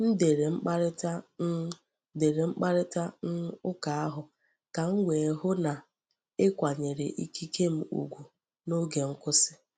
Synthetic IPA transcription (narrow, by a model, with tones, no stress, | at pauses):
n̩˦de˨ɾe˨ŋ͡m̩˦k͡pa˦ɾɪ˦ta˦ | de˨ɾe˨ŋ͡m̩˦k͡pa˦ɾɪ˦ta˦n̩˦ʊ˦ka˨a˦ɦʊ˨ | ka˨ŋ̩˦wʷe˨ɦʊ˦na˨ | ɪ˦kʷa˨ɲe˨ɾe˨ʔi˦ki˦ke˦m̩˦ṵ˨ɡʷu˨ | no˦ɡe˨ŋ̩˦kʊ˦sɪ̥˦